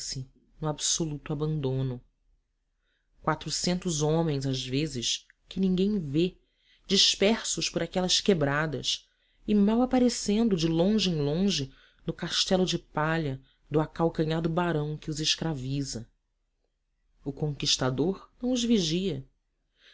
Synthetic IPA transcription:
sɪ | nʊabsolut̪ʊabɐ̃nd̪õnʊ | kwat̪ɾʊsẽnt̪ʊzõmẽj̃zazvezɪʃ | kɪnĩŋɡẽj̃ve | d͡ʒiʃpɛɾsʊʃpʊɾakɛlɐskebɾad̪ɐs | ɪmawapaɾesẽnd̪ʊd͡ʒɪlõʒɪẽj̃lõʒɪ | nʊkaʃt̪ɛlʊd͡ʒɪpaʎɐ | d̪ʊakawkɐ̃ɲad̪ʊbaɾɐ̃w̃kɪʊzɪʃkɾavizɐ | ʊkõŋkiʃt̪ad̪oɾnɐ̃w̃ʊzviʒiɐ

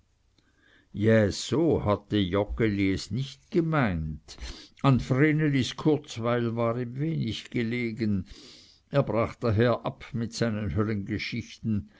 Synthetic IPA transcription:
jasoːhatəjɔkəliɛsnɪçtɡ̥emaɪntanfreːneliskʰʊɐt͡svaɪlvaːʁimveːnɪçɡ̥eleːɡən | eːɐbʁaːχd̥aɦeːɐʔapmɪtsaɪnənɦœlənɡeʃɪçtn̩

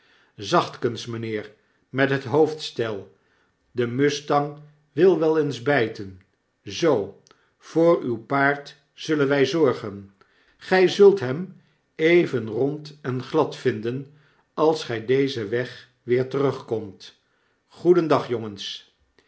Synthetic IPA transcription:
zɑχtkənsmənɪːɹ | mɛtɦətɦowftstɛlˠ | dəmɵstɑŋ | ʋɪlˠʋɛlˠenzbɛjtən | zow | v̥ʊːɹywpaːɹt | z̥ɵlənʋɛjzɔɹχən | χɛjzɵlˠtɦɛm | ejvənrɔntɛnχlɑtfɪndən | ɑlˠsχɛjdejzəʋɛχ | ʋɪːɹtərɵχkɔmt | χudəndɑχjɔŋəns

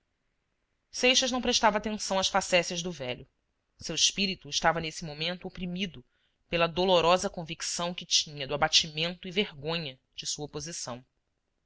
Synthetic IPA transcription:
sejʃɐʒnɐ̃w̃pɾeʃt̪avɐaːt̪ẽsɐ̃w̃ɐʃfasɛsjɐʒd̪ʊvɛʎʊ | sewɪʃpiɾit̪uɪʃt̪avɐnesɪmomẽnt̪ʊopɾimid̪ʊ | pelɐd̪oloɾɔzɐkõviksɐ̃w̃kɪt͡ʃĩɲɐd̪ʊabat͡ʃimẽnt̪ʊiveɾɡõɲɐ | d͡ʒɪsuɐpozisɐ̃w̃

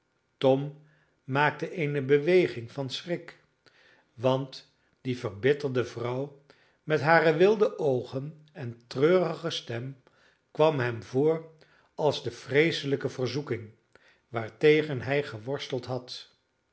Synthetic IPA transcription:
tɔmː | aːk̚təʔejnəbəʋejχɪŋvɑnsrɪk | ʋɑnt | d̥ivərbɪtəldəvrʌw | mɛtɦaːrəʋɪlˠdəʔowχən | ɛntrøːrəχəstɛm | kʋɑmɦɛmvʊːɹ | ɑlˠzdəfrejsələkəvərzukɪŋ | ʋaːɹtejχənɦɛjχəʋɔɹstəlˠtɦɑt

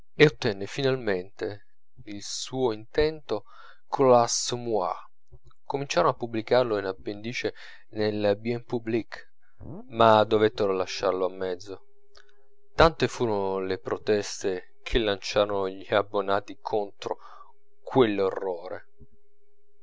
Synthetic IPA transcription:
eot̪ːɛnːefinalment̪e | ilsuːoint̪ɛnt̪o | kʰolasmua̰ | komint͡ʃaːɾonoapːubːlikarloinabːend̪iːt͡ʃe | nelbiɛmpubːlik | mad̪ːovet̪ːeɾolaʃːarloamːɛd̪zːo | t̪ant̪efuːɾonlepɾot̪ɛst̪e | kʰelːant͡ʃaːɾonoʎiabːonaːt̪ikʰont̪ɾo̰ | kʰwelːorːoːɾḛ

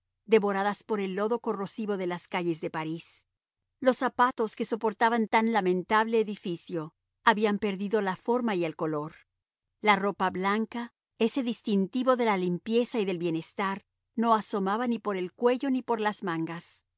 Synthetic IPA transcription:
d̪e̞βo̞ɾaðaspo̞ɾe̞lːo̞ðo̞ko̞rosiβo̞ðe̞laskaʝe̞zðe̞paɾis | lo̞sapat̪o̞ske̞so̞po̞ɾt̪aβant̪anlamẽ̞nt̪aβle̞ːðifisjo̞ | aβiampe̞ɾðiðo̞lafo̞ɾmaie̞lko̞lo̞ɾ | laro̞paβlaŋka | e̞se̞ðist̪int̪iβo̞ðe̞lalimpje̞saiðe̞lβjene̞st̪aɾ | no̞aso̞maβanipo̞ɾe̞lkwe̞ʝo̞nipo̞ɾlazmaŋɡas

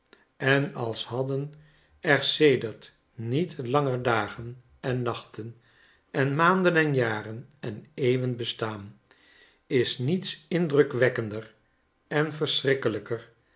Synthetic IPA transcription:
ɛnɑlˠshɑdən | ɛɹsejdəɹt | nitlɑŋəɹdaːχən | ʔɛnːɑχtən | ɛnmaːndənɛnjaːrənɛnejʋənbəstaːn | ɪsnitsɪndrɵkʋɛkəndər | ɛnfəɹsrɪkələkər

